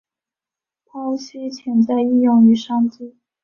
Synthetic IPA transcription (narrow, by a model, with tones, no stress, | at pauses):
pʰɑ˥ʊɕi˥t͡ɕʰjɛ˧˥nt͡sa˥˧ɪi˥˧jʊ˥˩ŋy˧˥ʂɑ˥ŋt͡si˥˩